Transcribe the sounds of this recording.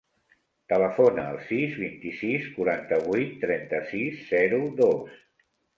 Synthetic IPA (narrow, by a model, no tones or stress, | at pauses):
t̪ələfonə̰ːlˠsizβint̪isiskuɾant̪əβujt̪ːɾɛnt̪əsisːɛɾuðos